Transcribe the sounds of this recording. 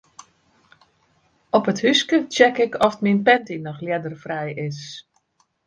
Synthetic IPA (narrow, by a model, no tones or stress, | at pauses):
ɔpəthyskət͡ʃɛkɪkʰɔftminpɛntinɔxljɛdərfrɛjɪs